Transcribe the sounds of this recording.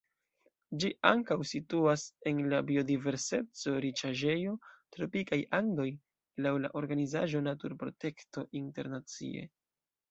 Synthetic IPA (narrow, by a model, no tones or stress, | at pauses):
d͡ʒiʔa̰ŋkawsituase̞nlabio̞dive̞ɾse̞t͡so̞ɾit͡ʃaʒe̞jo̞tɾo̞pikajaŋdo̞j | lawlaʔo̞ɾɡanizaʒo̞natuɾpɾo̞̰te̞kto̞ʔinte̞̰ɾnat͡sḭe̞̰